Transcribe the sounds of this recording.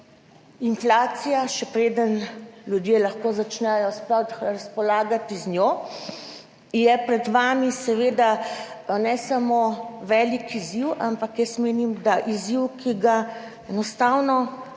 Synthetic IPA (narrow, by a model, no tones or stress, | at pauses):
inflaːt̪sijaʃɛpɾeːd̪ənljud̪jelaxkoːzat͡ʃnɛjɔspɔɾaspɔlaːɡat̪iznʲjoː | jɛpɾɛd̪ʋaːmisɛʋeːd̪a | nɛsamoːʋɛːlikiziwʔampakjɛst̪meːnimd̪aʔiziwkiɡa | ɛnɔst̪aːwnɔ